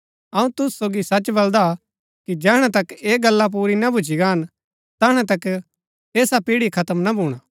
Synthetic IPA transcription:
ɐũt̪ʊssoːɡisɐt͡ʃbɐld̪a | kid͡ʒɛːɦɽ̃ɛt̪ɐkeːɡɐlːap̬uːɾinɐbʱʊd͡ʒiɡaɦən | t̪ɐːɽ̃ẽt̪ɐk | eːsapiːɽikʰɐt̪əmnɐbʱuːɽ̃a

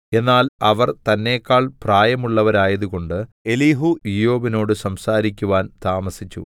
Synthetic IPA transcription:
e̞nːaːlɐʋɐrt̪ɐnːe̞ːkːaːɭpraːjɐmuɭːɐʋɐɾaːjɐðuɣo̞ɳɖɨ | e̞liːɦuijo̞ːbino̞ːɽɨsɐmsaːɾikʲːuʋaːnt̪aːmɐsit͡ɕːṵ

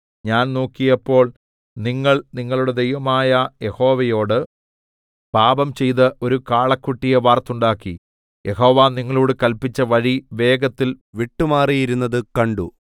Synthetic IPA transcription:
ɲaːnnoːkːijɐpːo̞ːɭ | niŋːɐɭniŋːɐɭuɽed̪ejʋɐmaːjɐje̞ho̞ːʋɐjo̞ːɽɨ | paːbɐmt͡ɕe̞jt̪ɐʔo̞ɾukaːɭɐkːuʈːijɐʋaːrt̪uɳɖaːkːi | jʔe̞ɦo̞ːʋaːniŋːɐɭoːɽɨkɐlpːit͡ɕːɐʋɐɻiʋe̞ːɡɐt̪ːil | ʋiʈːumaːrijiɾunːɐðɨkɐɳɖu

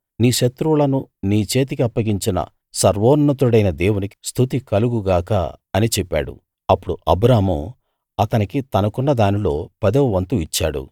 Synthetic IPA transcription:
niːʃɐt̪ɾulɐnuniːt͡ʃe̞ːt̪̬ikiɐpːɐɡiɲt͡ʃinɐ̰ | sɐɾʋoːnːɐt̪uɽɐjnɐd̪eːwuniki̥st̪ʰut̪ikɐluɡuɡaːka̰ɐnit͡ʃɛpːa̰ːɽṵ | ɐpːuɽuʔɐbɾaːɦmu | ɐt̪ɐnikit̪ɐnɐkunːɐd̪aːnilo̞ːpɐd̪euʋɐnt̪uit͡ʃːaːɽṵ

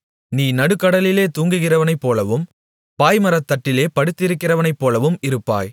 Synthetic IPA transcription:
niːnɐɽɯkːɐɽɐlɪleːt̪uːŋɡɯɣɪrɐʋɐnɐɪpːoːlɐʋɯm | paːjmɐɾɐt̪ːɐʈːɪleːpɐɽɯt̪ːɪɾɯkːɪrɐʋɐnɐɪpːoːlɐʋɯmɪɾɯpːa̰ːj

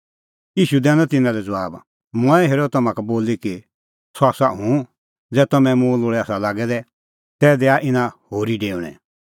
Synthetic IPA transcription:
iːʃud̪ɛːnɔ̃t̪ɪnãlɛd͡zɐʋaːb | mɔ̃ɛɦeːɾot̪̚ɐmãkaboːliki | sɔaːsaɦũ | d͡zɛːt̪ɐmɛ̃mũloːɭɛasalaːɡɛd̪ɛ | t̪ɛːd̪ɛaʔɪnãhoːɾiɖeːʊɽ̃ɛ̰̃

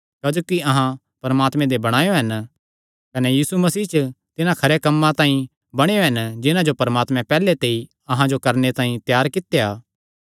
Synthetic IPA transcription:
kaːd͡ʒoːkiɐɦã | pɐɾmaːt̪mɛ̃d̪ebɐɽ̃aːjoɦɐn | kɐnejiːsumɐsiːt͡ʃt̪ɪnãkʰɐɾekɐmːãt̪ãːĩ | bɐɽ̃ejoɦɛnd͡ʒɪnãd͡ʒopɐɾmaːt̪mɛ̃pɛːlet̪eːi | ɐɦãd͡ʒokɐɾnet̪aːĩt̪jaːɾkɪt̪ːejaː

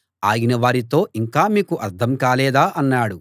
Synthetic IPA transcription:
aːjinɐʋaːɾit̪o̞ːiŋkaːmiːkuʔɐɾt̪ʰɐmkaːlɛːd̪aːʔɐnːaːɽu

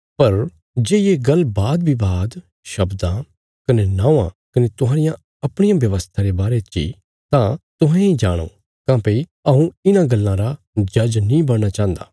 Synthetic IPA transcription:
pɐɾ | d͡ʒeːieɡɐlːbaːd̪̚bʱibaːd̪ | ʃɐbd̪ã | kɐnenãːʋã̰ | kɐnet̪ʊɦaːɾɪjã | ɐpɽ̃ɪjãʋjɐʋəst̪ʰaɾebaːɾet͡ʃḭ | t̪ãt̪ʊɦɛ̃ĩd͡ʒaːɽ̃o̰ː | kãːpeiɐɦũɪnãɡɐlːãɾa | d͡ʒɐd͡ʒnĩːbɐɽnat͡ʃãːnd̪a̰ː

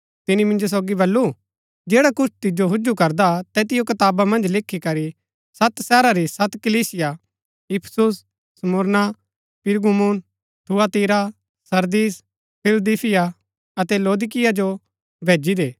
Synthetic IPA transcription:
t̪ɪnimɪ̃nd͡ʒos̬oːɡibɐlːu | d͡ʒeːɽakʊt͡ʃʰt̪ɪd͡ʒoɦʊd͡ʒukɐɾd̪at̪ɛːt̪ɪjokɐt̪aːbamɐ̃nd͡ʒlɪkʰːikɐɾi | sɐt̪sɛːɾaɾisɐt̪kɐliːsɪja | jɪpʰsʊs | sɐmʊɾna | pɪɾɡumuːn | ʈʰuat̪iːɾa | sɐɾd̪iːs | pʰɪld̪iːpʰɪja | ɐt̪ɛloːd̪ɪk̬ɪjad͡ʒo | bʱeːd͡ʒid̪eː

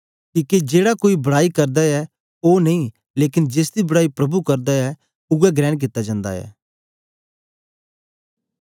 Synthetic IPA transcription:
kiːked͡ʒeːɽakoːibɐɽaːikɐɾd̪aɛ | oːnɐĩ | leːkɪnd͡ʒeːsd̪ibɐɽaːipɾɐbukɐɾd̪aɛ | ʊɡɛɡɾɛ̃ːɽk̬ɪt̪ːad͡ʒãːnd̪a̰ɛ̰ː

